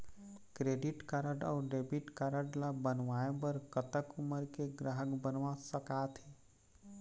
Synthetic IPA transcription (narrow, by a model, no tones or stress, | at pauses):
kɾeːɖɪʈkaɾəɖɔːɾɖeːbɪʈkaɾəɖlabənʋaːebəɾkət̪əkʊməɾkeɡɾaːɦəkbənʋasəkaːt̪ɦɛ